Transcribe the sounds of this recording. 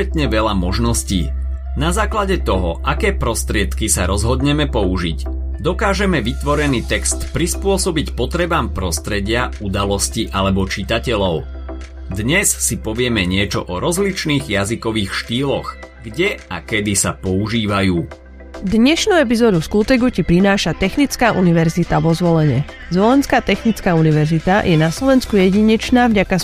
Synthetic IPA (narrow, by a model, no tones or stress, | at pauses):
ɛt̪ɲɛʋɛʎamɔʒnɔscḭː | nazaːklaɟɛt̪ɔɦɔʔakɛːpɾɔst̪ɾɪɛt̪kisaɾɔzɦɔd̪ɲɛmɛpɔuʒḭɟ | d̪ɔkaːʒɛmɛʋit̪ʋɔɾɛniːt̪ɛkst̪pɾispʊɔsɔbicpɔt̪ɾɛbaːmpɾɔst̪ɾɛɟɪaud̪alɔsciʔalɛbɔt͡ʃit̪acɛʎɔʊ | d̪ɲɛssipɔʋɪɛmɛɲɪɛt͡ʃɔ̰ʔɔɾɔzlit͡ʃniːɣjazikɔʋiːxʃt̪iːlɔɣ | ɡɟɛakɛd̪isapɔuʒiːʋajuː | d̪ɲɛʃnuɛp̬izɔːd̪uskuːt̪ɛɡucipɾinaːʃat̪ɛxnit͡skaːʔuniʋɛɾzit̪aʋɔzʋɔlɛɲɛ | zʋɔlɛnskaːt̪ɛxnit͡skaːuniʋɛɾzit̪ajʔɛnaslɔʋɛnskujɛɟiɲɛt͡ʃnaːvɟaka